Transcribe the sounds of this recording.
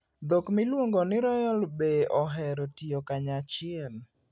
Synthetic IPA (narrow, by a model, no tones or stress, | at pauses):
d̪okmɪlwoŋɡɔnɪɾɔjɔlbeʔɔɦɛɾɔtiokaɲat͡ʃɪɛl